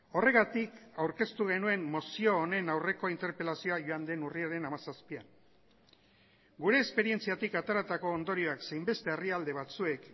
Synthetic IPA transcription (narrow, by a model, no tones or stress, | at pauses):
o̞re̞ɣat̪ikawɾke̞st̪uɣ̞e̞nue̞mːo̞sio̞ːne̞nawre̞ko̞int̪e̞ɾpe̞lasio̞aʝoand̪e̞nuriaɾe̞namasaspian | ɡuɾe̞ːspe̞ɾie̞nt͡siat̪ikat̪aɾat̪ako̞ːnd̪o̞ɾio̞akse̞jmbe̞st̪e̞ːriald̪e̞βat͡sue̞k